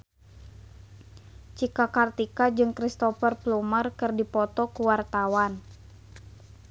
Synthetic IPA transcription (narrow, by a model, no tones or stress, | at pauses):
t͡ʃikakart̪ikad͡ʒɨŋkɾist̪ɔfərplumərkɨrdipɔt̪ɔkuwart̪awan